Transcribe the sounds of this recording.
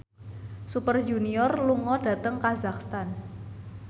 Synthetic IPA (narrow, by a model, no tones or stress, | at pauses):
supərd͡ʒuniɔrluŋɔɖ̥ä̤t̪əŋkazakst̪an